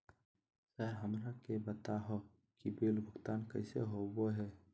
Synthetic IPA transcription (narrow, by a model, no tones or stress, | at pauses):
sɛɦɾɦəmɾakebət̪aɦo | kibeːlbʱʊɡt̪aːnkəɪsḛɦoboɦɛː